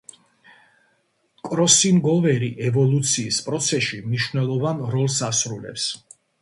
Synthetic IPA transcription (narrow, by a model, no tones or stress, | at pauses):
kʼɾɔsinɡɔvɛɾiʔɛvɔlˠut̪sʰiːspʼɾɔt̪sʰɛʃimniʃvnɛlˠɔvanɾɔlˠsasɾulɛ̰ps